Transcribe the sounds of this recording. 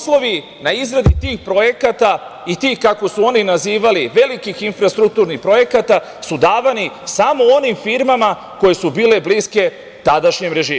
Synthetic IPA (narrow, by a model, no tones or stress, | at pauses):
slo̞ʋi | naizɾad̪it̪iːxpɾo̞je̞kat̪a | it̪iːxkako̞suo̞ninaziːʋaliʋe̞likixinfɾast̪ɾuk̚t̪uɾnixpɾo̞je̞kat̪a | sud̪aːʋanisamo̞o̞nimfiɾmama | ko̞je̞subiːle̞bliske̞ | t̪ad̪aʃɲemɾe̞ʒiː